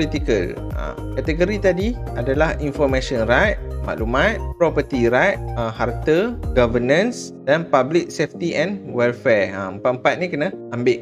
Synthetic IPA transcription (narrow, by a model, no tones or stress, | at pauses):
plit̪ikəl | ə̰ | kat̪əɡoɾit̪adi | adalahinfɔɾmãsɔnrajt̪̚ma̰ʔlumãt̪̚pɾɔpət̪iɾajt̪̚əhart̪əɡavənə̃ns | d̥anpablik̚seft̪iʔɛ̃nwɛlfɛra̰əmpat̪̚əm̩pat̪̚nĩkənãambɪʔ̚